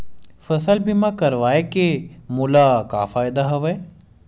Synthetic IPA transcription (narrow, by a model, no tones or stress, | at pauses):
fəsəlbʱimãkəɾʋaːekemʊlaka̰ːfaːjd̪aɦɐʋɐe